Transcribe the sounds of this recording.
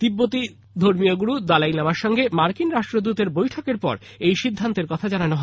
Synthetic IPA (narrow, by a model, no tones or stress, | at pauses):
d̪̥ibːot̪i | d̪ʱoɾmijoɡuɽud̪alajlamaɾʃɔŋɡemaɾkinɾaʃʈɾod̪ut̪eɾbojʈʰɔkeɾpɔ̰ɾ | ejʃid̪ʱːant̪eɾkɔt̪ʰad͡ʑananoɦɔ